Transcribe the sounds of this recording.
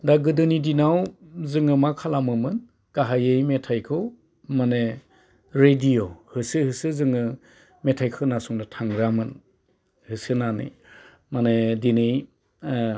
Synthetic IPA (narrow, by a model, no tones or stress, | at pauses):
daɡɯdɯnidinawzɯŋɯmakʰalamɯmɯn | kaɦajejmetʰajkʰɯw | mane | ɾedijohɯsɯhɯsɯzɯŋɯ | metʰajkʰɯwnasuŋdɯtʰaŋɾamɯn | hɯsɯnanɯ̰ | manedinej